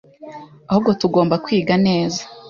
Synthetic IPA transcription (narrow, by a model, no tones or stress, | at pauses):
ahub̚ɡo̞tuɡo̞ːmbakwiːɡane̞ːzḁ